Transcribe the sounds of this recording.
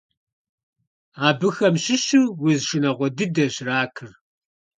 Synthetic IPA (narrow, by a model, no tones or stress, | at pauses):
aːbɨxɐmɕɪɕuwʊzʃɪnɐʁʷɔdɨdɐʑraːkʰɨr